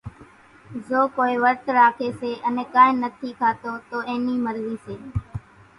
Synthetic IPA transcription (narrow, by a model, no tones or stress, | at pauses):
zoːkoːiːʋəɾt̪ɾaːkʰeːseːʔənẽːkãːẽːnət̪ʰiːkʰaːt̪oːt̪oːẽːniːməɾziːseː